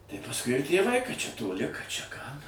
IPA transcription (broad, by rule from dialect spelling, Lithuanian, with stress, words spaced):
tɐɪ pɐsˈkʊɪ ɪr tʲeːˈʋɐɪ kɐt t͡ʃʲɛ toːˈlʲɪ kɐt t͡ʃʲɛ kɑː